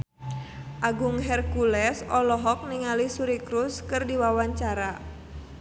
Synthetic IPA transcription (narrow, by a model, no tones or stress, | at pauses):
ʔaɡuŋɦɛrkulɛsɔlɔɦɔk̚niŋalisuɾikɾuskɨrdiwawaɲt͡ʃaɾa